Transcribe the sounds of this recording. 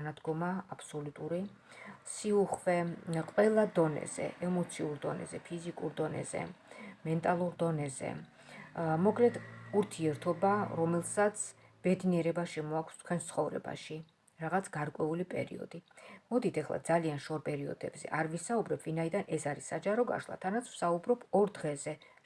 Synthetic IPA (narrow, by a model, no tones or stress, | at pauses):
nad̪ɡɔmaːpʰsɔlut̪ʼuɾi | siuχvɛqʼwɛlˠad̪ɔnɛ̰z̥ɛ̰ʔɛmɔt̪sʰiuɾd̪ɔnɛ̰zɛpʰizikʼuɾd̪ɔnɛ̰zɛ̰mɛnt̪ʼalˠuɾd̪ɔnɛzɛ̰ | mɔkʼlɛd̪uɾt̪ʰiɛɾt̪ʰɔbaɾɔmɛlˠsat̪sʰ | b̥ɛd̪niɛɾɛbaʃɛmɔakʰst̪ʰkʰwɛnst̪sʰχɔvɾɛ̰ba̰ʃi | ɾaʁat̪sʰɡaɾkʼwɛulipʼɛ̰ɾḭɔ̰d̪imɔd̪it̪ʰɛχlˠa̰d̪zalianʃɔɾpʼɛɾiɔ̰d̪̥ɛbzɛ̰ʔaɾvisaubɾɛpʰvinaid̪anɛsaɾisad͡ʒaɾɔɡa̰ʃlˠa̰t̪ʰanat̪sʰw̥saubɾɔbʰɔɾd̪ʁɛzɛ